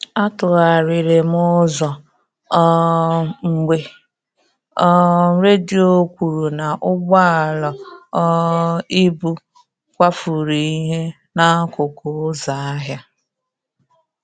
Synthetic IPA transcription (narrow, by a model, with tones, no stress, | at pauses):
a˦tʊ˨ɣa˨ɾɪ˨ɾe˨mʊ˦zɔ˨˦ | ŋ͡m̩˨ɡ͡be˨ | ɔ˦ɾe˦di˦˨˦o˦kʷu˨ɾu˨na˨ʔʊ˦ɡ͡ba˦a˨lɔ˨ɔ˦i˦bu˦ | kʷa˦fu˨ɾi˨i˦ɦe˦ | na˦kʊ˨kʊ˨˦za˨a˦ɦja˦